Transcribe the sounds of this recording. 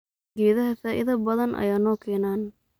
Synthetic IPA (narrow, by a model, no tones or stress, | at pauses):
ɡɛːðɐɦɐfaːʔɪ̰ðɐbɐðɐnʔɐ̰jaːnɔːkʰɛːnaːn